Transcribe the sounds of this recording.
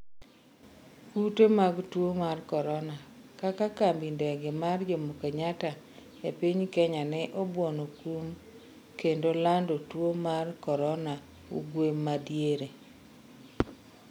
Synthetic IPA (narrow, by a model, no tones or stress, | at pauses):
kutemaɡtwomarkɔɾɔna | kakakambindɛɡɪmard͡ʒomokeɲata | epiɲkɛɲanɛʔobwɔnokum | kendolandotwomarkɔɾɔna | ṵɡwemːadjeɾe